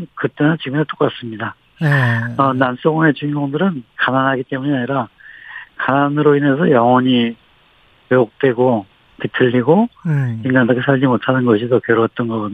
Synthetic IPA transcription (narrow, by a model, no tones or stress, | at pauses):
kɯt͈enɯnt͡ɕiɡɯmnet͈ok͈as͈ɯmɲida | ʌnans͈oŋe̞t͡ɕuŋiŋɡoŋdɯɾɯnkananɦaɡit͈e̞muɲiaɲiɾa | kananɯɾoine̞s̬ʰʌjʌŋʌɲi | jeok̚t͈we̞ɡo | kitʰɯʎːiɡoiŋɡandakʰesʰaʎd͡ʑimotʰanɯnɡʌɕʰidokjʌɾoʌt̚t͈ʌnɡʌɡʌd